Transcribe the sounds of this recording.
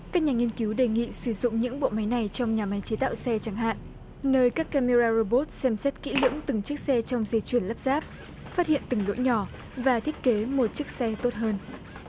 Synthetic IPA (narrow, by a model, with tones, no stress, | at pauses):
ka˦˥k̚ɲaː˨˩ŋi˧ənki˨˦wɗe˨˩ŋḭ˧˨sɨ˧˩zʊ̰˧˨ŋ͡mɲɨ̰˧˥ŋɓo̰˧˨ma˨˦jna˨˩jt͡ɕɔ˧wŋ͡mɲaː˨˩ma˨˦jt͡ɕe˨˦t̪a̰ː˧˨wsɛ˧t͡ɕa˨˧˩ŋɦa̰ː˧˨nʔ | nəː˧jkaː˦˥kːa˧me˧zaː˧zo˧ɓo˦˥t̚sɛ˧msɛ˦˥t̚kḭ˧˥lɨ̰˧˥əmt̪ɨ˨˩ŋt͡ɕɨ˦˥ək̚sɛ˧t͡ɕɔ˧wŋ͡mzə˧t͡ɕwi˧˩ənla˦˥p̚z̥aː˦˥p̚ | faː˦˥t̚hḭ˧˨ənt̪ɨ˨˩ŋlo̰˧˥jɲɔ˧˩ | vaː˨˩t̪ʰi˦˥ət̚ke˨˦mo˨˩t̚t͡ɕɨ˦˥ək̚sɛ˧t̪o˦˥t̚ɦəː˧n